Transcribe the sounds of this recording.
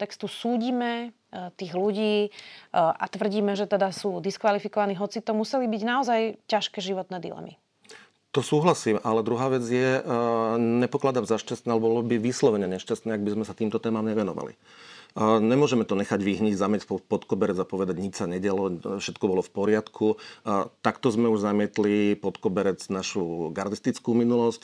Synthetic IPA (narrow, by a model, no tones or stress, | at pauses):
t̪ɛkst̪usuːɟiːmɛ | t̪iːɣluɟiː | ʔa̰t̪ʋr̩ɟiːmɛʒɛt̪ɛd̪asuːd̪iskʋalifikɔʋaniːɦɔt͡sit̪ɔmusɛlibiɟnaɔzajcaʃkɛːʒiʋɔt̪nɛːd̪ḭlɛ̰mḭ | t̪ɔsuːɦlasiːmalɛd̪ɾuɦaːʋɛd͡zjɛ | ɲɛpɔklad̪amzaʃcast̪nɛːalɛbɔlɔbiʋislɔʋɛɲɛɲɛʃcast̪nɛːaɡ̚bizmɛsat̪iːmt̪ɔt̪ɛːmamɲɛʋɛnɔʋa̰lḭ | ɲɛmʊɔʒɛmɛt̪ɔɲɛxaɟʋiɦɲiɟzamɪjɛpɔt̪kɔbɛɾɛd͡zapɔʋɛd̪aɟɲit͡ʃsaɲɛɟalɔfʃɛt̪kɔbɔlɔfpɔɾɪat̪kʰut̪akt̪ɔzmɛuʒzamɪɛt̪lipɔt̪kɔbɛɾɛd͡znaʃuɡaɾd̪ist̪it͡skuminulɔsc